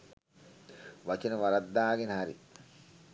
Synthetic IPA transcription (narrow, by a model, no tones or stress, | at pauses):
ʋat͡ʃenəʋaɾɐd̪ːaːɡenɦaɾḭ